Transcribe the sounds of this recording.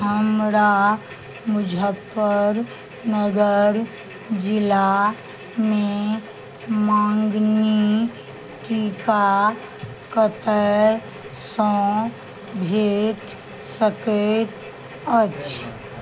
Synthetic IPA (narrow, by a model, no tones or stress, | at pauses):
ɦəmɾa | mʊd͡ʒʱəpːəɾ | nəɡəɾ | d͡ʒɪla | mẽ | mãːŋɡni | ʈiːka | kət̪ə | sɔ̃ | bʱeːʈ | səket̪ | ət͡ʃ